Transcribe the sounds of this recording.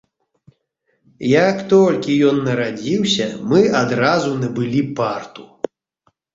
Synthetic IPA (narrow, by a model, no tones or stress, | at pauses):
jakt̪ɔlʲkʲijɔnːɐɾad͡zʲiwsʲɐmɨad̪ɾazunɐbɨlʲipart̪u̥